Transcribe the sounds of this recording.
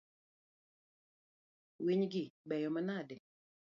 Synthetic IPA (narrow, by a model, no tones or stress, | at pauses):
wiɲɡɪbɛjɔmanadɛ